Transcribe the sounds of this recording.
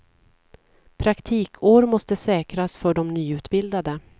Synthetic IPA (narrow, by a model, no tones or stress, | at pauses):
pʰɾakt̪ʰiːkʰoːɾmɔst̪əsɛːkɾasfœɖɔmnyːʉ̟ːt̪bɪld̪ad̪ə